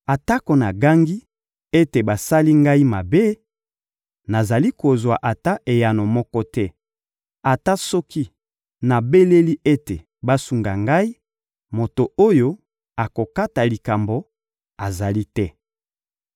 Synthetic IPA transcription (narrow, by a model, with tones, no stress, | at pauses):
a˨ta˦ko˨na˨ɡa˦ŋɡi˦ | e˦te˨ba˨sa˦li˦ŋɡa˦i˦ma˨be˦ | na˨za˨li˦ko˨zwa˨ʔa˨ta˦ʔe˨ja˨no˨mɔ˦kɔ˦tɛ˦ | a˨ta˦sɔ˦ki˦ | na˨be˦le˦li˦e˦te˨ | ba˦su˨ŋɡa˨ŋɡa˦i˦ | mo˨to˨o˦jo˦ | a˨ko˨ka˦ta˨li˨ka˨mbo˨ | a˨za˨li˦tɛ˦